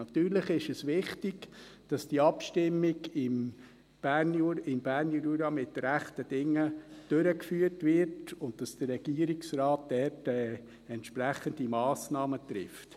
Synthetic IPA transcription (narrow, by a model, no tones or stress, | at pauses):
ɑt̪yːɾləχɪʃɛsʋɪχtiɡd̥ɑsd̥iəɑpʃtɪmːɪɡɪm | b̥ænɪmb̥æːɾniɾuɾɑmɪtɾæχtəd̥ɪŋːəd̥øɾəkfyːərtʋɪɾtʊntd̥ɑsd̥ərɾɛɡ̥iːəɾiksrɑːt̚d̥ɛɾtɛ | ɛntʃpɾæχəndimɑːsnɑːmət̪ɾɪ̰ft